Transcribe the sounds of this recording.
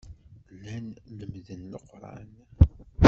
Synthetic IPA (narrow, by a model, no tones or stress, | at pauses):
lːænləmðənːəqːɾˤɑ̰n